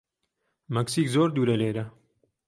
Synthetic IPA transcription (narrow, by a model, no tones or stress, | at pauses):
mɐksiːkzoːɾd̪uːɾɐleːɾɐ